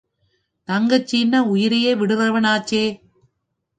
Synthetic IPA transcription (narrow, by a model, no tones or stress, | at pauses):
t̪ɐŋɡɐt͡ʃːɪnːɐʊjɪɾɐjeːʋɪɽɯðɐʋɐnaːt͡ʃːeː